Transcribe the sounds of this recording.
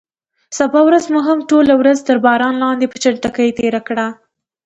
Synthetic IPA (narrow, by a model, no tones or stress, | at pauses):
sabɑwɾazmoɦamʈolawɾazt̪əɾbɑɾɑnlɑnd̪epət͡ʃaɳʈakəjt̪eɾakɽa